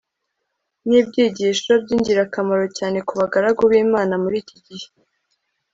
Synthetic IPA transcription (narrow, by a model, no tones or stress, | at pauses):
niːbɟiːɟiʃobɟiːɲɟiɾakamaɾo̞caːne̞kuβaɡaɾaɡoβiːmaːnamuɾiːciɟihe̥